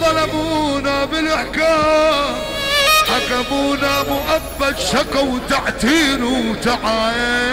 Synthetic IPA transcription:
t̪ˤɑlamuːnabɪlʔaħkaː | ħakamuːnamʊʔabːad̪ʃakwt̪aʕt̪iːnut̪aʕaːje

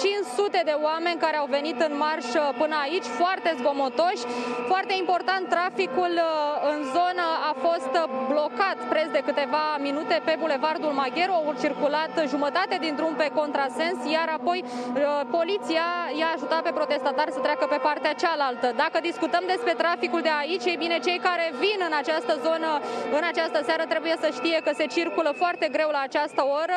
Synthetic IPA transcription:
t͡ʃint͡ʃsut̪e̞d̪e̞oame̞nʲkaɾe̞awve̞nit̪ɨnmarʃpɨnəait͡ʃʲfoart̪e̞zbo̞mo̞t̪o̞ʃʲfoart̪e̞impo̞rt̪ant̪ːɾafikulɨnzo̞nəafo̞st̪blo̞kat̪pɾe̞sd̪e̞kɨt̪e̞vaminut̪e̞pe̞bule̞vard̪ulmaɡʲe̞ɾuawt͡ʃirkulat̪ʒumət̪at̪ed̪int̪ɾumpe̞ko̞nt̪ɾase̞nsjaɾapo̞jpo̞lit̪siajaːʒut̪at̪̚pe̞pɾo̞t̪e̞st̪at̪arsət̪ɾeakəpe̞part̪eat͡ʃalalt̪əd̪akəd̪iskut̪əmd̪e̞spɾe̞t̪ɾafikuld̪e̞ait͡ʃʲe̞jbine̞t͡ʃe̞jkaɾe̞vinɨnat͡ʃast̪əzo̞nəɨnat͡ʃast̪əseaɾət̪ɾe̞buje̞səʃt̪ije̞kəse̞t͡ʃirkuləfoart̪e̞ɡɾe̞wlaːt͡ʃast̪əoɾə

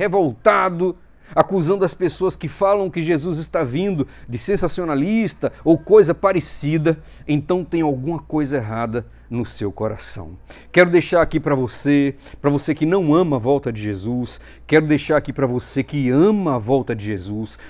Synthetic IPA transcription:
hevowt̪ad̪ʊ | akuzɐ̃nd̪ʊɐspesoɐskɪfalɐ̃w̃kɪʒezuzɪst̪avĩnd̪ʊ | d͡ʒ̪ɪsẽsasionalist̪ɐowkojzɐpaɾesid̪ɐ | ẽnt̪ɐ̃w̃t̪ẽj̃awɡũmɐkojzɐeɦad̪ɐ | nʊsewkoɾa̰sɐ̰̃w̃kɛɾʊd̪ejʃaɾakipɾɐvose | pɾɐvosekɪnɐ̃w̃ɐ̃mɐavɔwt̪ɐd͡ʒ̪ɪʒezus | kɛɾʊd̪ejʃaɾakipɾɐvosekɪɐ̃mɐːvɔwt̪ɐd͡ʒ̪ɪʒezus

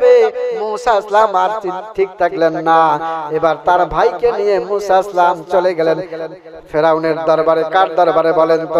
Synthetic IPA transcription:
bemusaislamat͡ʃiʈ̪ʰik̚t̪əklenːaebaɾt̪aɾbʱaikenijẽmusaislamt͡ʃəleɡelen | pʰeɾauneɾd̪əɾbəɾekaɾd̪əɾbəɾebəlent̪ɔ

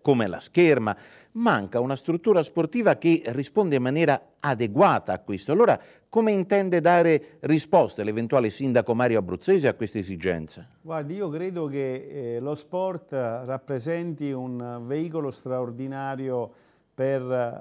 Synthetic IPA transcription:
komɛla̰skɛrma | maŋkaunast̪ɾut̪ːuːɾasport̪iːvakerːispond̪eimːanjɛːɾa | ad̪eɡwaːt̪aːkːwist̪oalːoːɾa | komeint̪ɛnd̪ɛd̪aːɾerispɔst̪alevɛnt̪uaːlesind̪akomaːɾjoabːɾut̪sːeːzeakːwest̪ezid͡ʒɛ̰nt̪sa | ɡwaɾd̪iiːokɾeːd̪okelospɔrt̪rapːɾezɛnt̪iunveiːkolost̪ɾaoɾd̪inaːɾjo | per

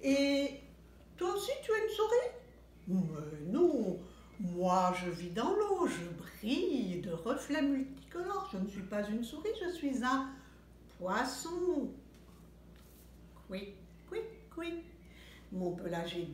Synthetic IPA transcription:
e | t̪waosit̪yaynsuʁi | mənɔ̃ | mwaʒəvid̪ɑ̃loʒəbʁid̪əʁəflɛmylt̪i̥kɔlɔʁʒənəsɥipazynsuʁiʒəsɥizɛ̃ | pwasɔ̃ | kwi | kwikwi | mɔ̃plaʒe

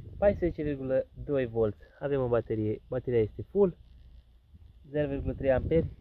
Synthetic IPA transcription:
pajspezet͡ʃe̞virɡuləd̪o̞jvo̞lt̪sʲave̞mobat̪eɾijebat̪eɾijaje̞st̪e̞ful | ze̞ɾovirɡulət̪ɾe̞jamperʲ

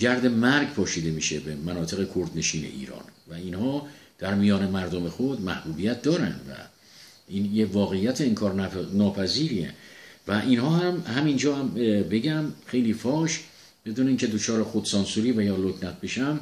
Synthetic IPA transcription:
d͡ʒæɾd̪e̞mæɾɡpʰɒːʃiːd̪e̞miːʃebemænɒːt̪ʰe̞ɣe̞kʰoɾd̪ne̞ʃiːnḛʔḭːɾɒ̰ːnvæinhɒːd̪̥æɾmijɒːne̞mæɾd̪omexod̪mæhb̥uːbijæt̪̚d̪ɒːɾæ̰nd̪væ̰ | injevɒːɣe̞jːæt̪ʰeːŋkʰɒːɾnɒːpʰæziːɾiḛvæʔinhɒːhæmhæmind͡ʒɒːhæmbe̞ɟæmxe̞jliːfɒːʃ | b̥e̞d̪uːneiːŋcʰe̞d̪o̞t͡ʃʰɒːɾexod̪sɒːnsuːɾiːvæjɒːloknæt̪̚ʰbe̞ʃæm

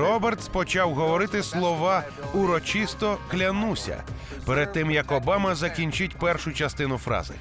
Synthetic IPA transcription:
ɾɔbert̪spɔt͡ʃɑwɦɔʋɔɾɪt̪ɪslˠɔʋɑ | ʊɾɔt͡ʃist̪ɔklʲɐnusʲɐ̰ | pɛɾed̪̚t̪ɪmjɐkɔbɑmɐzɐkʲinʲt͡ʃɪtʲpɛrʃʊt͡ʃɐst̪ɪnʊfɾɑ̰zɪ̰

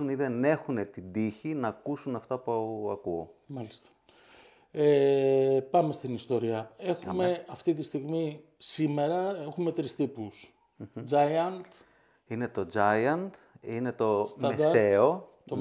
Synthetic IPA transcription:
uniðe̞ne̞xune̞t̪ind̪içinɐːkusunɐft̪ɐpuɐɐkuomɐlist̪ɐ̥ | e | pɐme̞st̪inist̪o̞ɾiɐe̞xumeɐft̪it̪ist̪iɣmi | sime̞ɾɐe̞xume̞t̪ɾist̪ipus | d͡zɐjɐnt̪ | ine̞t̪o̞d͡zɐjɐnt̪ | ine̞t̪o̞sɐmee̞ot̪o

